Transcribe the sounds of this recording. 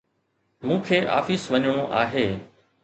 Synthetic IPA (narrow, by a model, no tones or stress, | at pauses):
mũːkʰeːʔa̰ːfisʋəɲɽ̃oʔa̰ːɦeː